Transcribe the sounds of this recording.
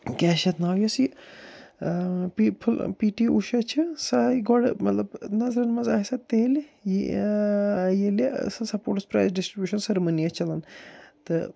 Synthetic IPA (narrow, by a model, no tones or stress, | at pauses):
kʲɛːʃɐt̪naːwjɐsi | pipʰɨlpiːʈiʔuʃɐt͡ʃʰɨsaiɡɔɽmɐt̪lɐbnɐzɾɐnmɐzaːsɐt̪eːlji | jelisɐsɐpoːʈɨspɾa̰jzɖisʈɾibʲjuːʃɐnsɐɾmɐnijɐt͡ʃɐlɐnt̪ɨ